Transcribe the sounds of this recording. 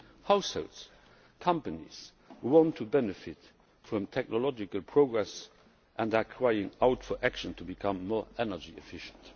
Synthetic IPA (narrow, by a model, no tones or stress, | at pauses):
haʊshoʊlts | kʰʌ̃mpənḭs | huwɔ̃ntʰːubɛnəfɪt | fɹɔ̃mtʰɛk̚nolɔd͡ʒɪkəlpʰɹoɡɹɛs | ʔɛ̃ndakʰɹaɪɪ̃ŋaʊtfɔʔækʃə̃ntʰubikʰʌ̃mːɔːɛnəd͡ʒiɛfɪʃə̥̃nt